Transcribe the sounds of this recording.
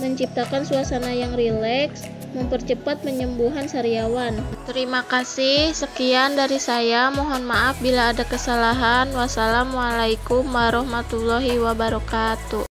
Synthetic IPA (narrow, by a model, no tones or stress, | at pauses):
məɲt͡ʃip̚t̪akansuasanajaŋrilɛks | məmpərt͡ʃəpat̪̚məɲəmbuɦansaɾiawant̪əɾimakasɪhhsəkiandaɾisajamɔɦɔnmaʔafbilaːdakəsalaɦanwasalamwalajkumwaɾɔhmat̪ulɔɦiwabaɾɔkat̪u